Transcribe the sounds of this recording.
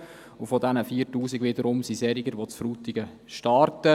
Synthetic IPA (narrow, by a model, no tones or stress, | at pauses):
ufɔdɛnəfiːɾtuːsiɡʋɪdəɾʊmsisɛɾiɡəɾʋot͡sfɾuːtɪɡə | ʃtɑrtə